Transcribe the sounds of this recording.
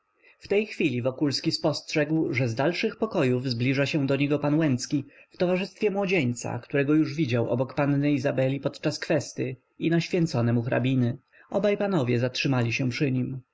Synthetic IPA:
ft̪ɛjxfʲilʲivɔkulskʲispɔstʂɛɡwʐɛzd̪alʂɘxpɔkɔjuvzblʲiʐaɕɛ̃d̪ɔɲɛɡɔpanwɛnt̪skʲift̪ɔvaʐɘst̪fʲjɛmwɔd͡ʑeɲt̪sa̰kt̪uɾɛɡɔjuʐvʲid͡ʑawʔɔ̰bɔkpanːɘizabɛlʲipɔt̪t͡ʂaskfɛst̪ɘ | inaɕfʲjɛnt̪sɔnɛmuxɾa̰bʲinɘ | ʔɔbajpanɔvʲjɛzatʂɘmalʲiɕɛpʂɘɲim

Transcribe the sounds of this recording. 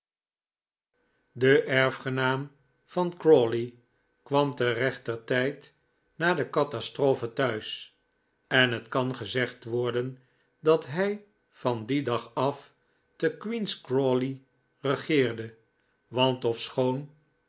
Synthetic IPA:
dəʔɛɹfχənaːm | fɑnkrɔli | kʋɑmtərɛχtərtɛjt | naːdəkɑtastroːfətœɥs | ɛnɦətkɑnχəzɛχtʋɔɹdən | dɑtɦɛj | fɑndidɑχɑf | təkwinskroli | rəχɪːɹdə | ʋɑntɔfsχown

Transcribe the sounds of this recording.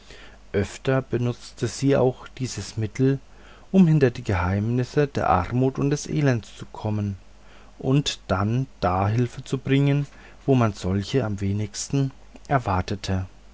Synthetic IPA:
ʔœftɐbənʊt͡stʰəz̥iːa̰ʊxd̥iːzəsmɪtʰl̩ | ʔʊmhɪntɐdiːɡəɦaɪmnɪsədeːɐʔa̰ʁmuːtʊnt̚d̥ɛsʔḛːlɛntst͡sukʰɔmən | ʔʊntd̥and̥aːɦɪlfət͡subʁɪŋən | voːmanz̥ɔlçəamveːnɪçstn̩ | ʔɛɐvaɐtʰətʰə

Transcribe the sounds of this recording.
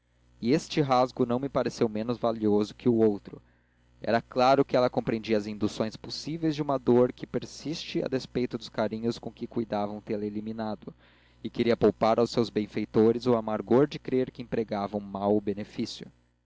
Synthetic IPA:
ɪest͡ʃɪɦazɡʊnɐ̃w̃mɪpaɾesewmẽnʊzvaliozʊkɪʊowt̪ɾʊ | ɛ̰ɾɐklaɾʊkɪɛlɐkõpɾẽd͡ʒiɐazĩnd̪usõj̃sposivejzd͡ʒɪũmɐd̪oɾkɪpeɾsist͡ʃɪa̰d̪espejt̪ʊd̪ʊskaɾĩɲʊskõkɪkujd̪avɐ̃w̃t̪eleliminad̪ʊ | ɪkeɾiɐpowpaɾawsewzbẽj̃fejt̪oɾɪzoamaɾɡoɾd͡ʒɪkɾeɾkɪẽpɾeɡavɐ̃w̃mawʊbenefisjʊ̰

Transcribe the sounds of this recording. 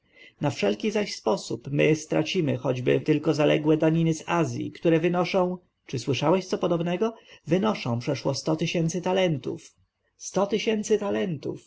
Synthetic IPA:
nafʂɛlkʲizaɕspɔsupmɘst̪ɾa̰t͡ɕimɘxɔd͡ʑbɘ̰t̪ɘlkɔzalɛ̰ɡwɛd̪aɲinɘzazʲjḭkt̪uɾɛvɘnɔʂɔ̃w̃ | t͡ʂɘswɘʂawɛɕt̪sɔpɔd̪ɔbnɛɡɔvɘnɔʂɔ̃w̃pʂɛʂwɔst̪ɔt̪ɘɕɛnt̪sɘt̪alɛnt̪ṵf | st̪ɔt̪ɘɕɛnt̪sɘt̪alɛnt̪ṵf

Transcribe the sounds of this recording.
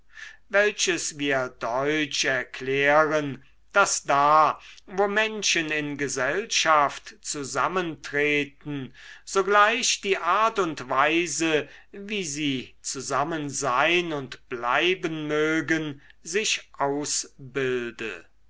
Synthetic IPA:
vɛlʃəsviːɐdɔʏt͡ʃɛɐkʰlɛːʁən | d̥asd̥aːvoːmɛnʃənɪnɡəzɛlʃaftt͡suzaməntʁeːtn̩z̥oɡlaɪʃd̥iːʔaɐtʊntv̥aɪzəviːziːt͡suzamənzaɪnʊntb̥la̰ɪbənmøːɡən | zɪʃʔaʊsbɪldə̰

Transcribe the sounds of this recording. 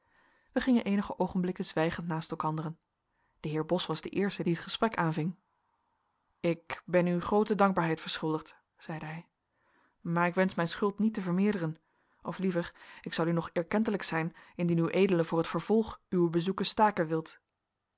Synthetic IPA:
ʋəχɪŋənʔejnəχəʔowχənblɪkənzʋɛjχəntnaːstɛlˠkɑndərən | d̥əɦɪːɹbɔsʋɑzdəʔɪːɹstədiɦətχəsprɛkaːnvɪŋ | ɪkbɛnyχrowtədɑŋɡ̚baːɹɦɛjtfəɹsχɵlˠdəχt | z̥ɛjdəɦɛj | maːɹɪkʋɛnsmɛjnsχɵlˠtnitəvəɹmɪːɹdərən | ʔɔflivəɹɪksɑlˠynɔχɛɹkɛntələksɛjnɪndinywʔejdələvʊːɹɦətfəɹv̥ɔlˠχyəbəzukəstaːkənʋɪlˠt

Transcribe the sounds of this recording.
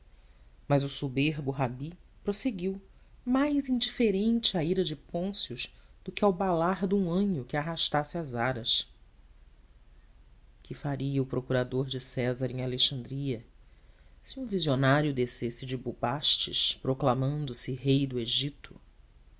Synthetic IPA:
mɐzʊsubeɾbʊɦabipɾoseɡiw | majzĩd͡ʒifeɾẽnt͡ʃɪaiɾɐd͡ʒɪpõsiʊʃd̪̥ʊkɪawbalaɾd̪ũɐ̃ɲʊkɪaɦaʃt̪asɪazaɾɐs | kʰɪfaɾiɐʊpɾokuɾad̪oɾd͡ʒɪsɛzɐɾẽaleʃɐ̃nd̪ɾiɐ | sɪũvizionaɾjʊd̪esesɪd͡ʒɪbubaʃt͡ʃɪ̰ʃpɾoklamɐ̃nd̪ʊsɪɦejd̪ʊeʒit̪ʊ

